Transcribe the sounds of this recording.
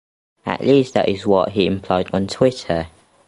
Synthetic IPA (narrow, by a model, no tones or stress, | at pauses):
ə̰ʔliˑsðə̰tɪzwɒʔɦiɪ̃mpʰl̥ɔɪdn̩tʰw̥ɪtʰə